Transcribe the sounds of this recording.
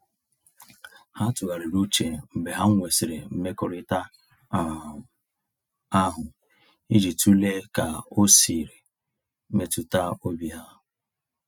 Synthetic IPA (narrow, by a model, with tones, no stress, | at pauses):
ha˦tʊ˨ɣa˨ɾi˨ɾu˦t͡ʃe˨m̩˨be˨ɦa˦ŋ̩ʷ˦e˨sɪ˨ɾɪ˨m̩˦me˦kʊ˦ɾɪ˦ta˦ | a˦ɦʊ˨ | i˦d͡ʒi˨tu˦le˦ka˨o˦si˨ɾe˨˦ | me˨tu˦ta˦o˦bi˦ɦa˦